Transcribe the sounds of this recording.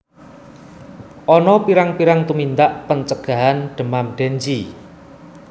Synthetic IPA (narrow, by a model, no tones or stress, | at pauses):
ʔɔnɔpiɾaŋpiɾaŋt̪umint̪aʔpəɲt͡ʃəɡ̥ä̤ɦanɖ̪̥ə̤mamɖ̪̥ɛɲt͡ʃi